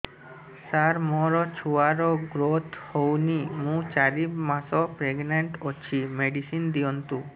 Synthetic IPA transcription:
saɾmɔɾɔt͡ɕʰuaɾɔɡɾot̪ʰhownimũt͡ɕaɾimasɔpɾeɡneɳʈot͡ɕʰimeɖisind̪iɔnt̪u

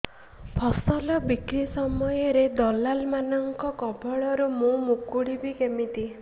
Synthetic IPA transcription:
pʰɔsɔlɔbikɾisɔmɔjɔɾed̪ɔlalmanɔŋkɔkɔbɔɭɔɾumũmukuɽibikemit̪i

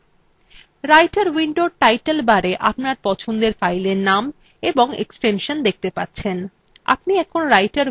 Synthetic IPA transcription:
ɾajʈaɾwiɳɖoʈajʈelbaɾeʔapnaɾpɔt͡ɕʰond̪eɾfajleɾnam | eboŋḛksʈenʃond̪ek̚ʰt̪epatːɕʰen | a̰p̚niɛkʰonɾajʈaɾ

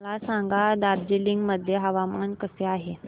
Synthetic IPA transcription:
lasaŋɡad̪aɾ̚d͡ʑiliŋɡməd̪ʱːjeɦəʋamankəseaɦe

